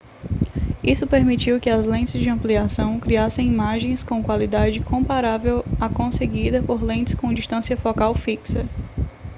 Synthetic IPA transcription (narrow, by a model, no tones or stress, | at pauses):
isʊpeɾmit͡ʃiwkɪɐzlẽt͡ʃɪzd͡ʒɪɐ̃mpliasɐ̃w̃kɾiasẽj̃imaʒẽj̃skõkwalid̪ad͡ʒɪkõmpaɾavewakõseɡid̪ɐpoɾlẽt͡ʃɪ̥skõd͡ʒiʃt̪ɐ̃siɐfɔkawfiksɐ